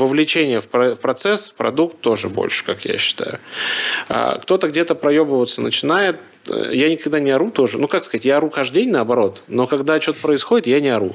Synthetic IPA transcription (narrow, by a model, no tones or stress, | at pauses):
vəvlʲɪt͡ɕenʲɪjəfpɾɐfpɾɐt̪sɛsfpɾɐ̰d̪ukt̪ːo̞ʐɨbo̞̰lʲʂɨ̥kakja̰ɕːɪ̥t̪a̰jʊ | a̰kt̪o̞t̪əɡdʲet̪əpɾɐjobəvət̪sənət͡ɕɪnajɪt̪ | janʲɪkɐɡd̪anʲɪɐɾut̪o̞ʐɨnukakskəɐzatʲjaɐɾukaʐd̪dʲenʲnəɐbɐɾo̞t̪no̞kɐɡd̪at͡ɕo̞t̪ə̥pɾəɪsxo̞dʲɪt̪janʲɪɐɾṵ